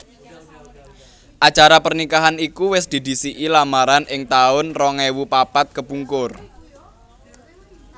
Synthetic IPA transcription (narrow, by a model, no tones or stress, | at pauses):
ʔḁt͡ʃaɾapərnikaɦanikuwɪsd̪̥i̤d̪̥i̤siʔilamaɾanʔɪŋt̪aʊnrɔŋɛwupapat̪̚kəpuŋkʊr